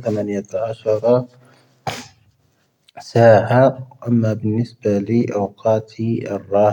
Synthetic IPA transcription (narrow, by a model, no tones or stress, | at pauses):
θamanɪjaʕaʃɑɾˤ | saːʕaʔamːabɪnːɪsbalɪʔawqɑːt̪ʰɑrˤːɑː